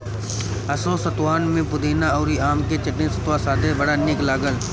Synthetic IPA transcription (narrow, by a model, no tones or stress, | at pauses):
ɐsõsɐt̪waːnmẽpʊd̪eːnaɐːɾiaːmket͡ʃɐʈɪ̃nsɐt̪wasaːd̪ʱebɐɽanɪklaːɡəl